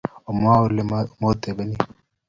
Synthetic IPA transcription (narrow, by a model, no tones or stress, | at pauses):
ɔmːaːwʊlːɛmoːt̪ːebɐni